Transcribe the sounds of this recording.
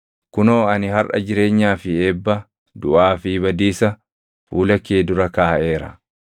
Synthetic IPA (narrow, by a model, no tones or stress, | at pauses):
kʊnoːɐnɪɦɐrʔɐ̰d͡ʒɪɾe̞ːɲːaːfɪeːbːɐ | d̪ʊʔaːfibɐd̪iːsɐ | fuːlɐkeːd̪ʊɾɐkaːʔe̞ːɾɐ̰